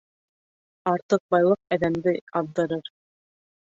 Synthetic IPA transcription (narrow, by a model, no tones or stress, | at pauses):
ɑɾt̪ɤq̚bɑjlˠɤq̚æðæmd̪ɘɑðːɤ̆ɾɤɾ